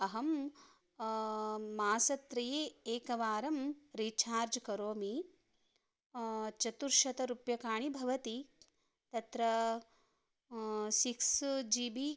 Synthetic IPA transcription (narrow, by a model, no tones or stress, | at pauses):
ɐɦɐm | aːsɐt̪ɾɐjeːeːkɐʋaːɾɐmɾiːt͡ʃʰaːɾd͡ʒkɐɾoːmi | t͡ʃɐt̪uɾʃɐt̪ɐɾupjɐkaːɳibʱɐʋɐt̪i | t̪ɐt̪ɾɐ | siksd͡ʒiːbi